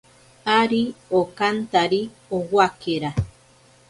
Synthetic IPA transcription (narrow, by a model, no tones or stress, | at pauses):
aɾiokant̪aɾi | owakeɾa